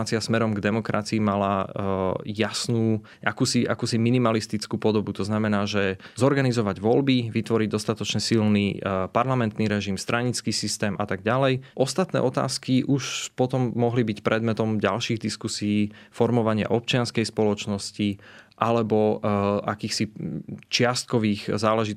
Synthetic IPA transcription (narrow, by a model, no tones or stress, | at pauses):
at͡siasmɛɾɔmɡd̪ɛmɔkɾa̰t͡siimala | jasnuː | ʔakuːsiʔa̰kuːsiminimalist̪it͡skuːpɔd̪ɔbut̪ɔznamɛnaːʒɛzɔɾɡanizɔʋaɟʋɔlbiʋit̪ʋɔɾiɟ̚d̪ɔst̪at̪ɔt͡ʃɲɛsilnipaɾlamɛnt̪niɾɛʒimst̪ɾʔaɲit͡skiːsist̪ɛːmʔat̪aɡɟalɛjʔɔst̪at̪nɛ̰ʔɔt̪a̰ːskiʔuʃpɔt̪ɔmːɔɦlibicpɾɛd̪mɛt̪ɔmɟa̰lʃiːɣd̪iskusiiːfɔɾmɔʋaɲɪa̰ʔɔp̚t͡ʃɪanskɛjspɔlɔt͡ʃnɔsciʔalɛbɔʔakiːxsit͡ʃɪast̪̚kɔʋiːɣzaːlɛʒit̪